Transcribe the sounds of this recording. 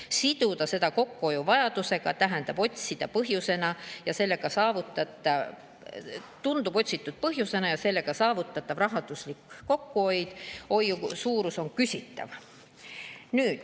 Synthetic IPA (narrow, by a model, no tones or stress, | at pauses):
sid̪̥ud̪̥ɑse̞d̪ɑko̞kːuo̞juvɑjɑd̪̥use̞ɡ̥ɑt̪æɦænd̪̥ɑb̥o̞tʲsid̪̥ɑpɤɦjuse̞nɑjɑse̞lːe̞ɡ̥ɑsɑːvut̪ːˑɑt̪ːˑɑ | t̪und̪ub̥o̞tʲsit̪ːˑud̪̥̚pɤɦjuse̞nɑjɑse̞lːe̞ɡ̥ɑsɑːvut̪ˑːɑt̪ːˑɑvrɑɦɑd̪̥uslikːo̞kːˑuo̞jd̪̥o̞jːusuːɾuso̞nkysʲit̪ːˑɑ̰v | nyːd̪̥